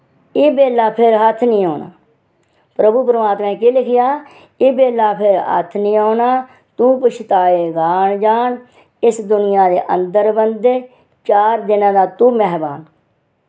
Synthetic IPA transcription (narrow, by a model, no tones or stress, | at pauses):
iːbeːlaːpʰɪɾɦət̪ʰnĩːɦoːna̰ː | pɾəbuːpəɾəmaːt̪mɛ̃ːkelɪkʰɪjaː | iːbeːlaːpʰɪɾɦə̰t̪ʰnĩːoːnaː | t̪ũːpʊt͡ʃʰt̪aːeːɡaːɳd͡ʒaːn | ɪsd̪ʊnɪjaːd̪eːʔənd̪əɾbənd̪eː | t͡ʃaːɾd̪ɪnãːd̪aːt̪ũːmɛːɦbaːn